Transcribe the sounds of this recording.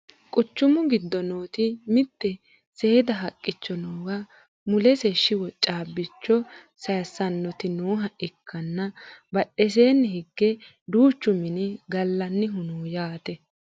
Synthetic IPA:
kʼʊt͡ʃːʊmʊɡɪd̪ːɔnoːt̪ɪmɪt̪ːɛ | se̞ːd̪ɐɦɐkʼːɪt͡ʃːɔnoːɡɐ | mʊlɛseʃːɪwɔt͡ʃʼaːbːɪt͡ʃːɔ | sɐjsɐnːɔt̪ɪnoːɦɐʔɪkʰːɐnːɐbɐɗːɛs̬eːnːhɪɡːɛ | d̪uːt͡ʃːʊmɪnɪɡɐlːɐnːɪɦʊnuːjaːt̪ɛ

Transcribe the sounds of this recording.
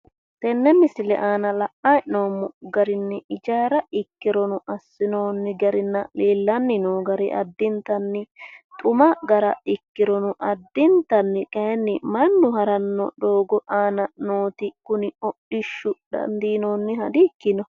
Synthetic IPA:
t̪ɛnːɛmɪsɪlɛ̰ʔaːnɐlɐʔɐjnoːmːʊɡɐɾɪnːɛɪd͡ʒaːɾɐɪkːɪɾɔnʊʔɐsːɪnoːnːɪɡɐɾɪnːɐleːlːɐnːɪnoːɡɐɾɪʔɐ̰d̪ːɪnt̪ːɐnːɪt̪ʼʊmɐɡɐɾɐɪkːɪɾɔnʊʔɐd̪ːɪnt̪ɐnːɪkʼɐhɛnːɪmɐnːʊhɐɾɐnːɔ̰ɗoːɡɔʔaːnɐnoːt̪ɪkʊnɪɔɗɪʃːʊd̪ɐ̰nd̪iːnoːnːɪhɐd̪ɪkːɪnɔ

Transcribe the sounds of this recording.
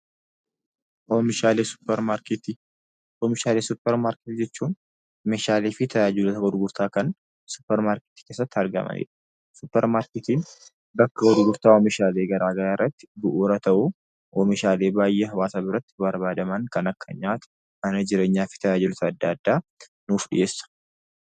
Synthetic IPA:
ʔɔmɪʃaːleʊpɾt̪ː | ɔːmɪʃaːleːsʊpːɛɾmaːɾkɪt̪d͡ʒɛt͡ʃːuːn | meːʃaːleːfɪt̪ʰɐjaːd͡ʒulɔt̪ɐɡɔd̪ʊɡʊɾt̪aːkɐn | sʊ̥pːɛɾmaːɾkɪ̥t̪i̥ke̞ːsːɐt̪ːɪɐɾɡɐ̰mɐ̰nḭːᶑɐ̥ | sʊpːɛɾmaːɾkɪt̪iːn | bɐkːɐɡɔd̪ʊɡʊɾt̪aːɔmɪʃaːle̞ːɡɐɾaːɡɐɾaːɪrːɐt̪ːɪ̥bʊʔuːɾɐt̪ɐʔu | ʔɔmɪʃaːleːbaːjːeːɦɐwaːsaːbɪɾɐt̪ːɪ̥bɐɾbaːd̪ɐmɐŋkɐnɐkʰːɐ̰ɲaːt̪ʊ̥ | mɐnɐd͡ʒɪɾe̞ːɲːaːfɪ̥t̪ʰɐjaːd͡ʒɪlɔt̪ɐːd̪ːɐːd̪ːaː | nuːfɗɪ̰ʔe̞ːsːɐ̥

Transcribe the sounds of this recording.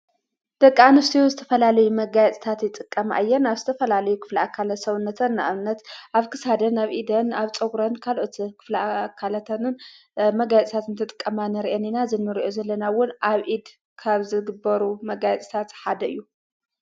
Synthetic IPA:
d̪̥ɐkʼːaanɨst̪ʰijozɨt̪ʰɐfɐlalɐjumɐɡajɛt͡s̪ʼt̪ʰat̪jɪt̪ʼɨkʼːɐmʔa̰jːɛɾnaβzɨt̪ʰɐfɐlalɐjukʰɨ̥fliakʰːalɐtsɐβnːɐt̪ʰɐnːa̰ʔβnːɐt̪ʔaβkʰɨsad̪ɐnaβʔid̪ɐnaβt͡sʼɐɡɾɐnkʰalʔot̪kʰɨ̥flakʰːalɐt̪ʰɐnɨn | mɐɡajɛt͡s̪ʼt̪ʰat̪ɨnt̪ʰɨt̪ʼɨ̥kʼːɐmanɐɾiʔeninazɨnːɨɾiʔozɐlːɐnawʊnʔaβʔid̪ | kʰaβzɨɡɨbɐɾumɐɡajɛt͡s̪ʼt̪ʰat̪ħad̪ɐɨ̰jːu

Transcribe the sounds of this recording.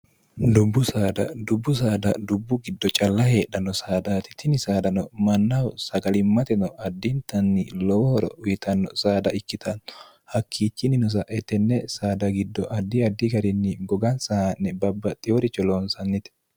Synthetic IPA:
d̪ʊbːʊsaːd̪ɐ̰d̪ʊbːʊs̬aːd̪ɐd̪ʊbːʊɡɪd̪ːɔt͡ʃʼɐlːɐhe̞ːɗːɐnːɔsaːd̪aːt̪ɪ̥t̪ʰɪnɪsaːd̪ɐnɔmɐnːɐwsɐɡɐlɪmːɐt̪ɛnɔɐd̪ːɪnt̪ɐnːɪlɔwɔhɔɾɔ̰ʊjɪt̪ɐnːɔ̰saːd̪ɐʔɪkːɪt̪ʰɐnːɔ̥ | hɐkʰːiːt͡ʃːɪnɪnɔs̬ɐʔɛt̪ːɛnːɛsaːd̪ɐɡɪd̪ːɔʔɐd̪ːɪɐd̪ːɪɡɐɾɪnːɪɡɔɡɐnsɐhanːɛbɐbːɐt̪ʼɪjɔɾɪt͡ʃːɔloːnsɐnːɪt̪ɛ̥

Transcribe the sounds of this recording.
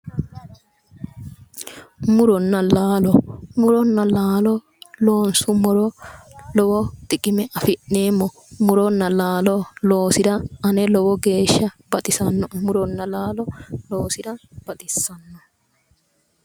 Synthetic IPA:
mʊɾɔnːɐlaːlɔmʊɾɔnːɐlaːlɔ | lo̞ːnsʊmʊɾɔlɔwɔd̪̥ɪkʼɪmɛʔɐfɪʔnːeːmːɔ | mʊɾɔnːɐlaːlɔloːsɪdɐʔɐnɛlɔwɔɡe̞ːʃːɐb̥ɐt̪ʼɪsɐnːɔmʊɾɔnːɐlaːlɔloːsɪdɐb̥ɐt̪ʼɪsːɐnːɔ

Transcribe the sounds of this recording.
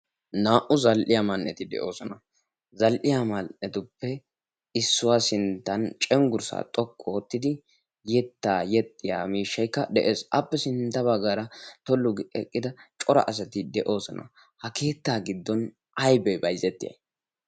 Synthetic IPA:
naːʔʊzɐlʔɪjamɐnːɛt̪ɪd̪ɛ̰ʔo̞ːsɔnɐ | zɐlʔɪjamɐɛt̪ʊpːɛ | ɪsːʊwaːsɪnt̪ːɐnt͡ʃʼɛŋɡʊɾsa̰ːt̪ʼɔkʼːɔot̪ːɪd̪ɪ | jɛt̪ːaːjɛt̪ʼːɪja̰ːmiːʃːɐjkːɐd̪ɛʔe̞ːsʔɐpːɛsɪnt̪ːɐbɐɡːaːɾɐt̪ɔlːʊɡɛkʼːɪd̪ɐt͡ʃʼɔɾɐ̰ʔɐs̬ɐt̪ɪd̪ɛʔo̞ːsɔnɐ̰ | hɐke̞ːt̪ːaːɡɪd̪ːɔn | ɐjbɛbɐjzɛt̪ːɪjɐ̰j

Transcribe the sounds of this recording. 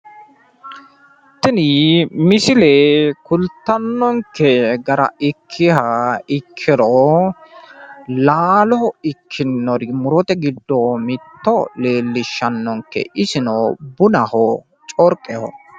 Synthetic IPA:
t̪ːɪnɪmɪsɪleːkʊlt̪ːɐnːɔŋkːɛɡɐɾɐ̰ɪkʰːɪhɐɪkʰːɪɾɔ | laːlɔɪkʰːɪnːɔɾmʊɾɔt̪ɛɡɪd̪ːoːmɪt̪ːɔleːlːɪʃːɐnːɔŋkːɛ̰ʔɪsɪnoːbʊnɐho | t͡ʃʼɔɾkʼːɛhɔ̰

